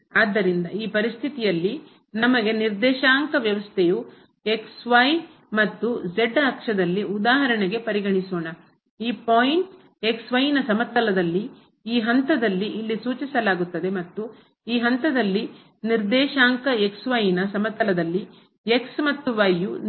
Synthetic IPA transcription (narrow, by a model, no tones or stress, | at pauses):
aːd̪ːɐɾind̪ɐiːpɐɾist̪ʰit̪ijɐlːi | nɐmɐɡe̞niɾd̪ɛːʃaːŋkɐʋjɐʋɐst̪ʰeju | e̞ksʋɐj | mɐt̪ːud͡ʒeɖɐkʂɐd̪ɐlːiud̪aːɦɐɾɐɳeɡe̞pɐɾiɡɐɳisoːɳɐ | iːpoːjiɳʈ | e̞ksʋɐjnɐsɐmɐt̪ːɐlɐd̪ɐlːi | iːɦɐnt̪ɐd̪ɐlːiʔilːisuːt͡ʃisɐlaːɡut̪ːɐd̪e̞mɐt̪ːu | iːɦɐnt̪ɐd̪ɐlːi | niɾd̪ɛːʃaːŋkɐeksʋɐjinɐsɐmɐt̪ːɐlɐd̪ɐlːi | eksmɐt̪ːuʋɐjːu